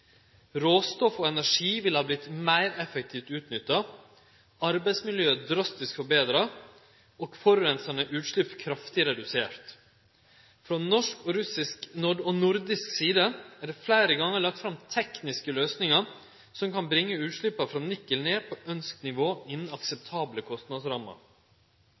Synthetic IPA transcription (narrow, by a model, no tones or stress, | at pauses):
ɾoːst̪ɔfoːɛnæʂiːʋɪlhɑːblɪt̪mæɪɾɛfək̚t̪ʰiːft̪ʉːt̪nʏt̪ːɑ | ɑɾbæɪsmɪljøːəd̪ɾɑst̪ɪskfɔɾbeːd̪ɾɑ | okfɔɾʋɛnsɑnəʔʉːt̪ʂlɭʏpːkʰɾɑft̪ɪɾɛd̪ʉseːɾt̪ | fɾɔnɔʂkɔɾʉsɪsknʊɖɔnʊɾd̪ɪsksiːd̪əæːɖɛflæɪɾəɡɑŋːəɾɭɑk̚t̪fɾɑmt̪ʰɛknɪskəløːsnɪŋɑɾ | sɔmkɑnbɾɪŋːəʉːt̪ʂɭʏpːɑfɾɔnɪkːəlneːpʰoœnsknɪʋoːɪnn̩ɑksɛp̚t̪ʰɑːbləkʰɔst̪nɑd̪sɾɑmə̰ɾ